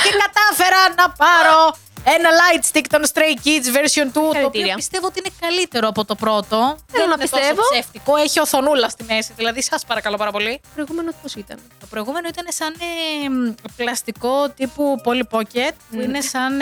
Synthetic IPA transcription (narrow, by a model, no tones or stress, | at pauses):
cekɐt̪ɐfe̞ɾɐnɐpɐɾo̞ | e̞nɐlɐjt̪st̪ikt̪o̞nst̪ɾejcit͡sve̞ɾsio̞nt̪uɐot̪ɾiɐpist̪e̞voot̪iinekɐlit̪e̞ɾo̞ɐpo̞t̪o̞pɾo̞t̪o̞ðnɐɐnst̪oseovoeft̪ikoeçioθo̞nulɐst̪ime̞siðilɐðisɐspɐɾɐkɐlo̞pɐɾɐpo̞lipɾoiɣumenot̪iposit̪ɐ̰net̪o̞pɾo̞iɣume̞noit̪ɐne̞sɐn | plɐst̪iko̞t̪ipupo̞lipocet̪̚puinesɐn